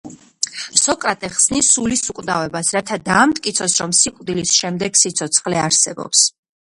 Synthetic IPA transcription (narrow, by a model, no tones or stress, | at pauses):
sɔkʼɾat̪ʼɛχsnisulisukʼd̪avɛbasɾat̪ʰad̪aːmt̪ʼkʼit̪sʰɔsɾɔmsikʼd̪ilisʃɛmd̪ɛɡsit̪sʰɔt̪sʰχlɛaɾsɛbɔ̰ps